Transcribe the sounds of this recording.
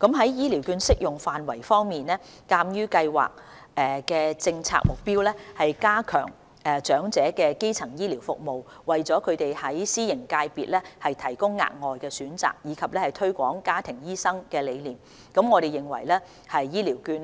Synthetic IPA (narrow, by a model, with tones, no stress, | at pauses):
kɐ˨˥mɦɐ˨˥jjiː˥liː˨˩wkyː˧nsɪ˥k̚jʊ˨˩ŋfaː˨nwɐ˨˩jfɔː˥ŋmiː˨nɛː˥kaː˧mjyː˥kɐ˧jwa̰ː˨k̚ | ʔɛ˨kɛː˧t͡sɪ˧ŋt͡sʰa̰ː˧k̚mʊ˨k̚piː˥wlɛː˥hɐ˨jkaː˥kʰœ̰ː˨˩ŋ | ɛː˨˩t͡ʃœː˨˥ŋt͡sɛː˨˥kɛː˧ke˥jt͡sʰɐ˨˩ŋjiː˥liː˨˩wfʊ̰˨k̚mo˨w | wɐ˨˩jt͡sɔː˨˥kʰɵ˨˧ɥt̪e˨jhɐ˨˥jsiː˥jɪ˨˩ŋkaː˧jpiː˨t̚lɛː˥hɐ˨jt̪ʰɐ˨˩jkʊ˥ŋːa̰ː˨t̚ŋɔː˨jkɛː˧syː˨˥nt͡sa̰ː˨k̚jiː˨˧kʰɐ˨p̚lɛː˥hɐ˨jt̪ʰɵ˥ɥkʷɔ̰ː˨˥ŋkaː˥t̪ʰɪ˨˩ŋjiː˥sɐ˥ŋkɛː˧le˨˧jliː˨˩m | kɐ˨˥mŋɔː˨˧ɾe˨jɪ˨˩ŋwɐ̰˨˩jlɛː˥ | hɐ˨jːiː˥liː˨˩wkyː˧n